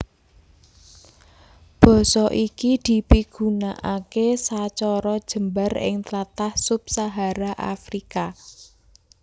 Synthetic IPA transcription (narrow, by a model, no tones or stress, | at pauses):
b̥ɔ̤sɔʔikid̪̥i̤piɡ̥unaʔakesat͡ʃɔɾɔd̥ʒ̥ə̤mbarɪ̰ŋt̪lat̪ahsʊp̚saɦaɾaʔa̰fɾika